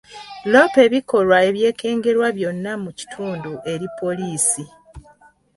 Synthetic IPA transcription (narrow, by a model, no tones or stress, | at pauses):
lo̞pe̞βiko̞lwae̞βje̞ːkʰe̞ːŋɡe̞ɾwaβjo̞nːamuci̥tʰuːnduʔe̞ɾipo̞liːsi